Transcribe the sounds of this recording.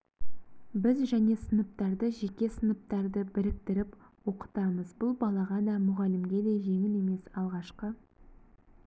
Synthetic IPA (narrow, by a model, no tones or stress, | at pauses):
bɪzʒæne̞sənəp̚t̪ɑɾd̪əʒe̞kʲe̞sənəp̚t̪ɑɾd̪əbɪɾɪk̚t̪ɪɾɪpwo̞qə̥t̪ɑməzbʊlˠbɑlˠɑʁɑd̪ɑmʊʁɑlɪmɡʲe̞d̪e̞jʒe̞ŋɪne̞me̞sɑlˠʁɑʃqə